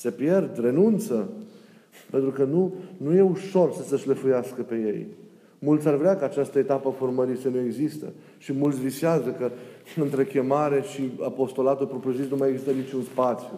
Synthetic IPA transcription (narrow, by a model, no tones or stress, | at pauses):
se̞pje̞rd̪re̞nunt̪sə | pent̪ɾukənunuje̞uʃo̞rsəsəʃləfujaskəpe̞je̞j | mult̪sʲarvɾeakəat͡ʃast̪əe̞t̪apəaforməɾisənue̞ɡzist̪ə̰ | ʃimult̪sʲvisiazəkəɨnt̪ɾe̞kʲe̞maɾe̞ʃiapo̞st̪o̞lat̪ulpɾopɾozit̪numajeɡzist̪ənit͡ʃunspat̪sju